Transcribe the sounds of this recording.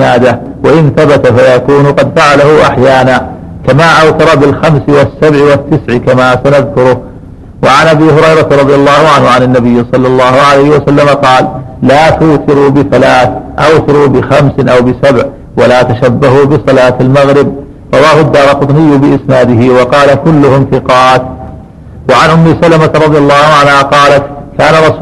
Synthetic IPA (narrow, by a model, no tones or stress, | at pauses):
naːd̪a | waʔɪnθabat̪afajakuːnʊqɑd̪faʕalahʊʔaħjaːnaː | kamaːʔawθɑɾˤɑbɪlxamsɪwɪsːabʕɪwɪt̪ːɪsʕkamaːsanaðkʊɾʊ | waʕanʔabiːhʊɾɑjɾˤɑt̪ɾˤɑðˤɪjalˤːɑːhʊʕanhʕanɪnːabɪjːɪsˤɑlːɑlˤːɑːhʊʕalajhɪwasalːamaqɑːllaːt̪ʊːt̪ɪɾuːbɪθalaːθʔawt̪ɪɾuːbɪxamsnʔawbɪsabʕ | walaːt̪aʃabːaɦubɪsˤɑlaːt̪almaɣɾɪb | ɾˤɑwaːhʊd̪ːɑːɾˤɑlqʊt̪ˤnɪjːʊbɪʔɪsnaːd̪ɪhɪwɑqɑːlakʊlːʊhʊmθɪqɑːt̪ | waʕanʔʊmːɪsalamaɾˤɑd̪ˤɪjɑlˤːɑːhʊʕanhaqɑːlat̪kaːnaɾˤɑs